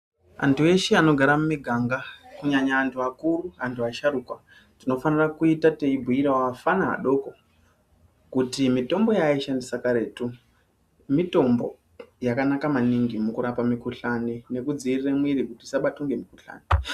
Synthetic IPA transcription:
a̰ntʰue̞ʃeano̞ɡʱaɾamumiɡʱaŋɡakuɲaɲaːntʰuakuɾuantʰuaʃaɾukwa | tino̞fanirakuitateibʱuiɾawaafanaɦa̰ɗo̞ko | kutimito̞mbo̞jaiʃandisakaɾe̞ːtu | mito̞mbo̞̰ | jakanakamaniŋɡimukuɾapamikuɬanine̞kud͡ziːriremwiɾikutisaɓatuŋɡe̞mikuɬa̰ːni

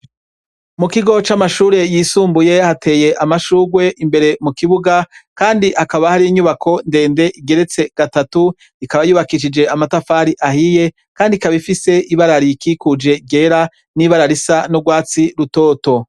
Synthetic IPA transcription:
mukiɡo̞t͡ʃamaʃuːɾe̞jiːsuːmbuje̞hatʰe̞ːje̞ʔamaʃuːɡwe̞ʔimbe̞ɾe̞mukiβuɡakaːndiʔhakaβahaɾijiɲuβakʰo̞nde̞ːnde̞ʔiɡe̞ɾe̞t͡se̞ɡ̥atatu | ikaβajuːβakiʃ̬id͡ʒe̞amatafaːɾiʔahije̞ | kaːndikaβifise̞ʔiβaɾaɾikikud͡ʒe̞ɡe̞ːɾa | niːβaɾaɾisanoɡwaːt͡siɾuto̞ːto̞

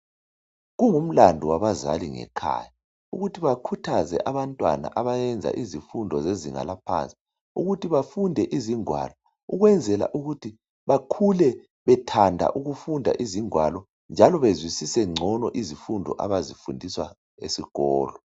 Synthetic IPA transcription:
ɣuŋum̩landʱɔwaβaza̰liŋɛ̰kʰa̰ːja | uɣutʰiβakʰutʰazɛ̰ʔaβantʼwa̰na̰ʔaβajɛnd͡zʱa̰ʔizifundʱɔzezḭŋa̰lapʰa̰nt͡sʼi̥ | uɣutʰiβafundʱɛʔiziŋwa̰lɔ | uɣwɛnd͡zʱɛla̰ʔuɣutʰi | βakʰulɛ | βɛtʰandʱa̰ʔuɣufundʱa̰ʔiziŋwalɔ | nd͡ʒʱalɔβezwisisɛŋ͡ǀʱɔnɔʔizifundʱɔ̰ʔa̰βazifundʱiswa̰ | ḛsiɣ̥ɔ̰ːlɔ

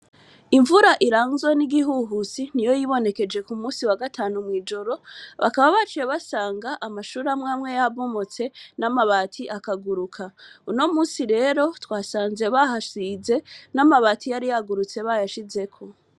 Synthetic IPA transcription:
iɱvuɾaʔiɾaːnzweniɡiɦuɦusinijo̞jiβo̞ne̞ke̞d͡ʒe̞kumuːsiwaɡataːnumŋiːd͡ʒo̞ɾo̞βa̰kaβaβat͡ʃijeβasaːŋɡaʔamaʃuːɾamŋaːmŋe̞jaβo̞mo̞t͡se̞namaβatʰiʔakaɡuɾukʰauno̞muːsiɾe̞ːɾo̞twaːsaːnze̞βaɦasize̞namaβaːtʰijaɾijaɡuɾut͡se̞βajaʃize̞kʰo̞

